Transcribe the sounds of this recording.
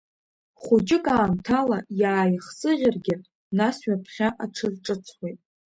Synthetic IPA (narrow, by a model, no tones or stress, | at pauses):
χud͡ʒɪkʼaːmtʰalajaːjχsɨʁʲɪrɡʲɪ | nasɥapʰχʲaʔaʈ͡ʂʰɨrʈ͡ʂʼɨt͡sʰχʷejtʼ